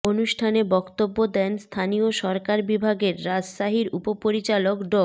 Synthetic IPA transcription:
onuʃʈʰanebɔkt̪obːod̪ɛnst̪ʰanioʃɔɾkaɾbibʱaɡeɾːad͡ʑʃaɦiɾṵpopoɾit͡ɕalokɖɔ

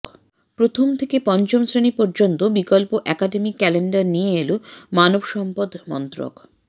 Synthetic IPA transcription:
pɾot̪ʰomt̪ʰekepɔnt͡ɕomsɾenipɔɾd͡ʑont̪obikolpoʔɛkaɖemikːɛleɳɖaɾnijeelumanobʃɔmpod̪mɔ̰nt̪ɾo̰k

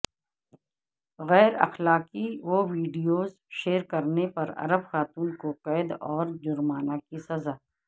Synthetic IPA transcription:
ɣɛːɾɐ̰xlaːkiʋoːʋiːɖijoːz | ʃeːɾkɐɾnepɐɾɐ̰ɾəbxaːt̪uːnkoqɛːd̪ɔːɾd͡ʒʊɾmaːnakisɐzaː

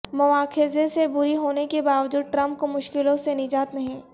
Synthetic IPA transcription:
mʊʋaːkʰɪzesebʊɾiɦoːnekebaːʋd͡ʒuːd̪̚ʈɾɐ̃mp̚komʊʃkɪlõsenɪd͡ʒaːt̪nɐɦĩː

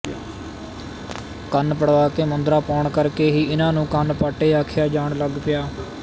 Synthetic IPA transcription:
kənpəɽʋaːkeːmənd̪ɾaːpoːɳkəɾkeːɦiːɪnãːnũːkənpaːʈeːaːkʰjaːd͡ʒaːɳləɡpɪjaː

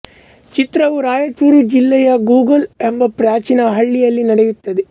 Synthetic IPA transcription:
t͡ʃit̪ɾɐʋuɾaːjɐt͡ʃuːɾud͡ʒilːɛjɐɡuːɡɐlembɐpɾaːt͡ʃinɐɦɐɭːijɐlːinɐɽejut̪ːɐd̪e

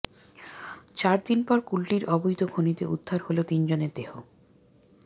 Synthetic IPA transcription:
t͡ɕaɾd̪inpɔɾkulʈiɾɔbojt̪oɡʱonit̪eud̪ʱːaɾholet̪ind͡ʑoneɾd̪eho

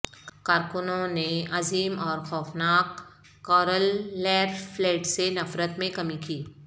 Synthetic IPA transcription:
kaːɾkʊnõneʔɐziːmɔːɾxɔːfnaːkː | ɔːɾəlːɛːɾfleːʈsenɐfɾət̪mẽkɐmikiː

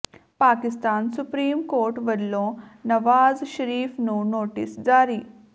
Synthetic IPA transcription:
paːkist̪aːnsupɾiːmkoːɾʈʋɐɾloːnɐʋaːzʃɐɾiːfnunoːʈḭsd͡ʒaːɾi

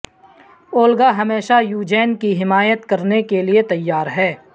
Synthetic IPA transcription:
oːlɡaɦɐmeːʃajuːd͡ʒɛːnkiɦɪmaːjət̪kɐɾnekeliet̪ɐjːaːɾɦɛː

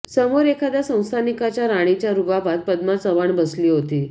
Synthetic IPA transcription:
səmoɾekʰad̪jasə̃w̃st̪ʰanikat͡ɕjaɾaɽ̃it͡ɕjaɾubabʱat̪̚pəd̪mat͡səʋaɳbəsliːɦot̪iː

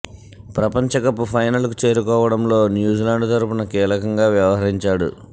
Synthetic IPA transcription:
pɾɐpɐɲt͡ʃɐkɐpːupʰɐjnɐlkut͡ʃe̞ːɾukɔːʋɐɽɐmlo̞ːnjuːd͡ʒilaːɳɖt̪ɐɾupunɐkiːlɐkɐŋɡaːʋjɐʋɐɦɐɾiɲt͡ʃaːɽṵ

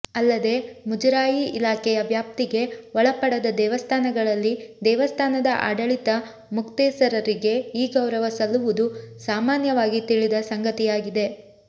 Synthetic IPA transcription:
ɐlːɐd̪e̞mud͡ʒɐɾaːjiilaːkɛjɐʋjaːp̚t̪iɡe̞ʋɔɭɐpɐɽɐd̪ɐd̪ɛːʋɐst̪ʰaːnɐɡɐɭɐlːid̪ɛːʋɐst̪ʰaːnɐd̪ɐʔa̰ːɖɐɭit̪ɐ | mukt̪ɛːsɐɾɐɾiɡe̞iːɡɐwɾɐʋɐsɐlːuʋud̪usaːmaːnjɐʋaːɡit̪iɭid̪ɐsɐŋɡɐt̪ijaːɡid̪e̞

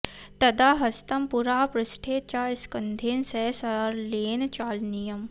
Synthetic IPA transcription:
t̪ɐd̪aːɦɐst̪ɐmpuɾaːpɾɪsʈʰeːt͡ʃaːɪskɐnd̪ʱeːnsɛːsɐɾleːnt͡ʃaːlnijəm

